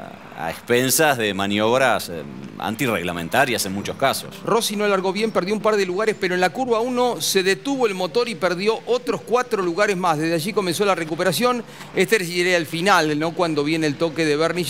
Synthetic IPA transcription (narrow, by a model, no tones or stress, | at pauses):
a̰ḛkspensazðemanijoβɾas | a̰nt̪ireɣlamẽnt̪aɾjasenmut͡ʃoskaso̰sro̞sinolaɾɣo̞β̞je̞mpeɾðjoumpaɾðeluɣaɾespeɾoenlakuɾβauno̞se̞ðet̪uβoelmo̞t̪o̞ɾipeɾðjo̞ʔot̪ɾoskwat̪ɾoluɣaɾezmazðezðeaʒiko̞mẽ̞ns̬o̞larekupeɾasjo̞n | est̪eeɾeelfinalno̞kwand̪o̞β̞je̞nelt̪o̞keðeβeɾni